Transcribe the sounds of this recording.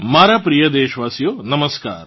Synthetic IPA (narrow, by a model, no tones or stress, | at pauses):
maːɾaːpɾijɐd̪eːʃʋaːsjoːnɐmɐska̰ːɾ